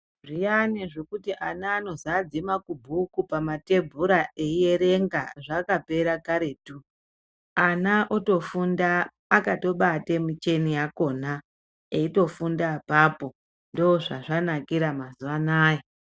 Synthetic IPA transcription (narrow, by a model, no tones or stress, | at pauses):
ʐijaneʐekutiʔanaːno̞zad͡zimakubʱukupamate̞bʱuɾaʔeijeɾe̞ŋɡaʐakape̞ɾakaɾe̞ːtu | anaʔoto̞fundaː | kato̞ɓatemut͡ʃe̞nijako̞na | eito̞fundapapo̞ | ndooʐaʐanakiɾamazuʋanaːje